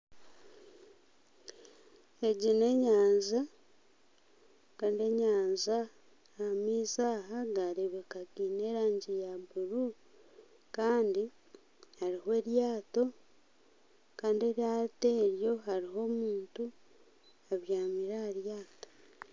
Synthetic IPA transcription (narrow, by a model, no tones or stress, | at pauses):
e̞ɟine̞ɲaːɲza | kaːndie̞ɲaːɲzaː | miːzaːɦaɡaɾiβikaɡiːne̞ːɾaːɲɟijabuɾu | kaːndi | haɾiɦwe̞ːɾjaːto̞ | kaːndie̞ɾjaːteːɾjo̞ɦaɾiɦo̞ːmuːntu | aβjaːmiɾaːɾjaːto̥